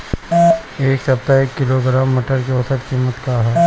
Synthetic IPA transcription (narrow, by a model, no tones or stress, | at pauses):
eːksɐp̚t̪aekːɪloɡɾaːmːɪʈəɾkiosət̪kiːmːət̪kaɦɛ